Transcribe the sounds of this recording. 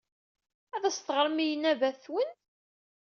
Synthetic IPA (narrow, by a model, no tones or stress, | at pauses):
æðæst̪əʁəɾˤmijənːævæθθwən